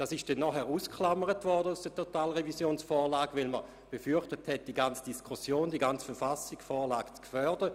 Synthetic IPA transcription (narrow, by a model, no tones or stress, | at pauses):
d̥aːsɪʃd̥ɛnːɔχɛʁuːskχlaməʁətvɔʁdəusd̥ətʰotaːlʁevisjoːnsfɔːlaːɡvɪlmə | b̥efyɐχtəthɛt̚d̥iɡant͡sd̥iskʰusjoːndiɡant͡sfɛɐfasikfɔːɐlaːɡ̥t͡skfœɐdə